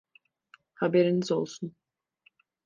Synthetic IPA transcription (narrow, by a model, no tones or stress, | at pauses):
habeɾinizo̰lˠsun